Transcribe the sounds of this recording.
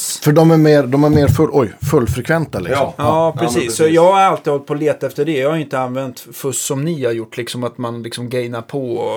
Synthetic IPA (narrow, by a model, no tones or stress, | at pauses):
fœɖɔmæɾmeːɾd̪ɔmæɾmeːɾfɵlʔɔjfɵlːfɾɛkʰvɛnt̪alɪ̰ksmɑːpʰɾɛsiːssːɔjɑːɡhaɾalt̪iːhɔlt̪̚pʰɔleːt̪aɛft̪əɖɛjɑːhaɾʏɪnt̪əanːvɛnt̪fɵsɔmnihaɾjʊʈːlɪksɔmat̪manlɪksɔmɡɛjnaɾpʰɔ